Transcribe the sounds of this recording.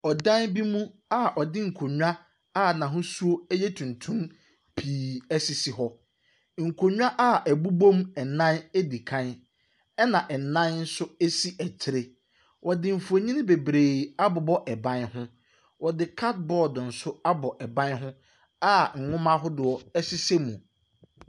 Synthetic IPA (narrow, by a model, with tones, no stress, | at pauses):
ɔ˨dã˦nbi˦mũ˦a˦˨ʔɔ˨dɪ˦ŋ̩˨kʰo˨ɲᶣu˦a˦ | a˦˨nã˨ɦʊ̃˦su˦o˦jɛ˦tʰũ˨ntʰũ˦m | pʰiː˨æ˦si˨si˨ɦɔ˦ | ŋ̩˨kʰo˨ɲᶣ˦a˦ʔa˦˨ʔæ˨bu˦bõ˦mɛ˨nã˦ne˦di˨kʰã˦n | ɛ˦nã˨ʔɛ˨nã˦nn̩˦sʊ˦e˦si˦ʔæ˨t͡ɕʰɪ˦ɾɪ˦ | wʔɔ˨dɪ˨m̩˨fu˨o˨ɲĩ˦nɪ̃˦be˨bɾeː˨a˦bʊ˨bɔ˦ʔɛ˨bã˦nhʊ̃˦ | wɔ˨dɪ˨kʰa˦t̚bɔː˦˨dn̩˨sʊ˦a˦bɔ˨ʔɛ˨bã˦nɦʊ̃˦ | a˦˨ŋ̩˨ŋʊ̃˦mã˦ɦʊ˦dʊ˨ɔ˨ɛ˦sɪ˦se˦mũ˨